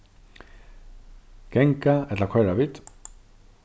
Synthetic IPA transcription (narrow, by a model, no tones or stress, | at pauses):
kɛŋkaɛt̪lakʰwɛɹavit̪